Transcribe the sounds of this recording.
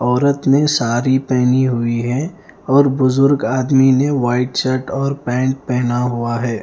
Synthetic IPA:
ɔːɾət̪mẽsaːɾipɛɦniɦʊiɦɛː | ɔːɾbʊzʊɾɡaːd̪mineʋaːɪʈsəʈɔːɾpɛ̃ːɳʈ̚pɛɦnaɦuaɦɛː

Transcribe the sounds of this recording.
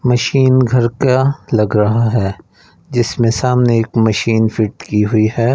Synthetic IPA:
mɐʃiːnɡʱɐɾkalɐɡɾɐɦaɦɛː | d͡ʒɪsmẽsaːmneeːkmɐʃiːnfɪʈkiɦʊiɦɛː

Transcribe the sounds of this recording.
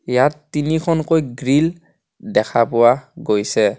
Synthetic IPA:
jatːinikʰɔnkojɡɹil | dɛkʰapʊwaɡojsɛ

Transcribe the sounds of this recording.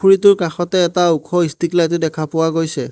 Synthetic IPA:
uɹitʊɹkaxɔtɛːtaukʰɔistiklajt̬ɛdɛkʰapʊwaɡojsɛ

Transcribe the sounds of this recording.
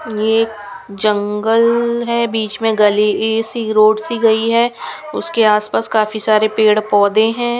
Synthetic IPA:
jeːk | d͡ʒɐ̃ŋɡəlɦɛbiːt͡ʃmẽɡɐliesiɾoːɖsiɡɐiɦɛːʊskeaːspaːskaːfisaːɾepeːɽpɔːd̪ẽɦɛ̃ː

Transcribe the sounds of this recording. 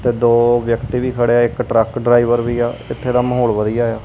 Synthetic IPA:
t̪eːd̪oːʋjəkt̪iːʋiːkʰəɽeːaːɪkʈɾəkɖɾaːiʋəɾʋiːaːɪt̪ʰːeːd̪aːməɦoːlʋəd̪ijaːjaː

